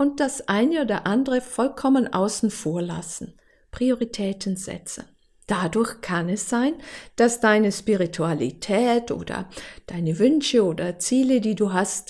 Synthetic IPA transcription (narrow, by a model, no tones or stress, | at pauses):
ʔʊnt̚d̥asʔaɪnəoːdɐʔandəʁəfɔlkʰɔmənʔa̰ʊsn̩foːɐla̰sn̩ | pʁ̥ioʁitʰɛːtʰən̩zɛ̰t͡sə | d̥adʊɐçkʰanɛsz̥aɪnd̥asd̥aɪnəʃpiʁitʰualḭtʰɛːtʔo̰ːdɐ̰d̥aɪnəvʏnʃəoːdɐt͡siːlədiːduːɦast